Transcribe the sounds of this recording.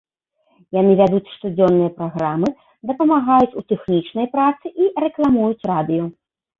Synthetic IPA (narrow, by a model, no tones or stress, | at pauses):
janɨvʲad̪ut͡sʲʂt̪ud͡zʲɔnːɨjɐpɾaɣɾamɨ | d̪ɐpɐmaɣajut͡sʲut̪ɛxnʲit͡ʂnɐjpɾat̪sɨʔirɛklˠamujut͡sʲrad̪ɨjɔ